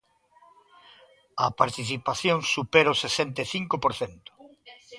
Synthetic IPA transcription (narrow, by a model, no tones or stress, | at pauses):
ɐpaɾt̪iθipaθjoŋsupeɾɐosesɛnt̪eθiŋkopoɾθent̪ʊ̥